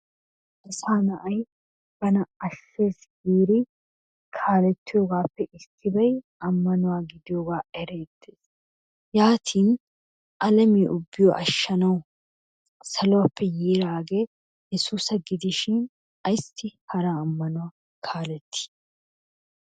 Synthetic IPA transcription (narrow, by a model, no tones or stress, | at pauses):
ʔɪsaːnɐʔɐj | b̥ɐnɐɐʃːe̞ːs | ɡiːɾɪ | kʰaːlɛt̪ːɪjo̞ːɡaːpːɛʔɪt̪ʰːɪbɐj | ɐmːɐnʊwaːɡɪd̪ɪjoːɡaːɛɾe̞ːt̪ʰːeːs | jaːt̪ʰiːn | ʔɐlɐmiːʔʊbːɪjɔʔɐʃːɐnɐw | sɐlɔwɐpːɛjiːɾaːɡe | jɛsuːsɐɡɪd̪ɪʃɪn | ɐjst̪ːɪhɐɾaːmːɐnʊwaː | kʰaːlɛt̪ːɪ̥